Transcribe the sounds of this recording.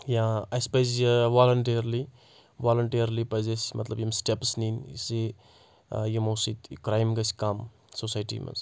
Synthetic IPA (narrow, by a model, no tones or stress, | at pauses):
jãɐjspɐjzʋalɐɳʈiɾli | ʋalɐɳʈiɾlipɐjzɐsmɐ̰t̪lɐbjimsʈepsninse | jemosit̪kɾajmɡɐskam | sosajʈḭmɐ̰z